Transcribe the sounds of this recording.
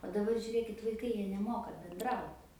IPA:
oː dɐˈbɐr ʒʲʊˈrʲeːkʲɪt ʋɐɪˈkɐɪ ˈjiɛ nʲɛˈmoːkɐ bʲɛnˈdrɐʊt

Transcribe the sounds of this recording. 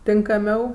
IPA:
tʲɪŋkɐˈmʲɛʊ

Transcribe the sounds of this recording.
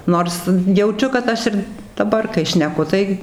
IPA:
ˈnoːrs jɛʊˈt͡ʃʲʊ kɐt ˈɐʃ ɪr dɐˈbɐr kɐɪ ʃʲnʲɛˈkʊ tɐɪ

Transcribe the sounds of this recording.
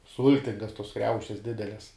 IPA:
ˈsʊlʲtʲɪŋɡɐs toːs ˈkrʲɛʊʃʲɛs ˈdʲɪdʲɛlʲɛs

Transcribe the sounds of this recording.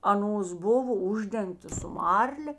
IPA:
ɐˈnoːs ˈboːʋoː ˈʊʒʲdʲɛŋktoːs sʊ ˈmɐrʲlʲeː

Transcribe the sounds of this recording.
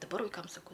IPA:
dɐˈbɐr ʋɐɪˈkɐm sɐˈkɐʊ

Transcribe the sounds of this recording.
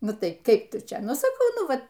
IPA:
ˈnʊ ˈtɐɪ ˈkɐɪp ˈtʊ ˈt͡ʃʲɛ ˈnʊ sɐˈkɐʊ ˈnʊ ˈʋɐ

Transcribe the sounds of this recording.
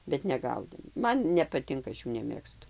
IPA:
bʲɛt nʲɛˈɡɐʊdʲeːm ˈmɐn nʲɛpɐˈtʲɪŋkɐ ˈɐʃ ˈjuː nʲɛˈmʲeːkstʊ

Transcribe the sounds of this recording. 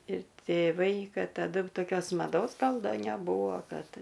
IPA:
ɪr tʲeːˈʋɐɪ ˈkɐt tɐˈdʊ toːˈkʲoːs mɐˈdoːs ˈɡɐlˠ ˈdɐ nʲɛˈbuːʋoː ˈkɐt

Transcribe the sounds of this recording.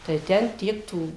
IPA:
tɐɪ ˈtʲɛn ˈtʲiɛk ˈtuː

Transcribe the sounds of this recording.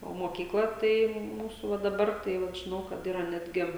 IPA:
oː moːkʲiːkˈlˠɐ ˈtɐɪ ˈmuːsʊ ʋɐ dɐˈbɐr tɐɪ ˈʋɐt ʒʲɪˈnɐʊ kɐt ˈiːrɐ ˈnʲæːdʲɡʲɪ

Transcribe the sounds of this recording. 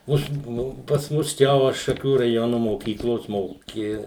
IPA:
ˈʊʃ ˈnʊ pɐs ˈmʊs ˈt͡ʃʲɛ ˈʋɐ ʃɐˈkʲuː rɐˈjoːnʊ moːˈkʲiːklˠoːs ˈmoːkʲɪ

